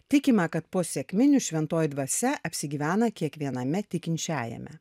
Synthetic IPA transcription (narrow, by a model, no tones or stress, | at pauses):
t̪ʲɪkʲɪmɐkɐt̪poːsʲɛkʲmʲɪnʲʊʃʲʋʲɛnt̪oːjɪd̪ʋɐsʲɛʔɐpʲsʲɪɡʲiːʋʲæːnɐkʲiɛkʋʲiɛnɐmʲɛt̪ʲɪkʲɪnʲt͡ʃʲæːjɛ̰mʲɛ̰